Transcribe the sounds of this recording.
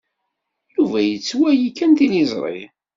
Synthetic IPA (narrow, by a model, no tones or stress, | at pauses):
juvæjət͡sːwæjikːænt̪inizˤɾˤḭ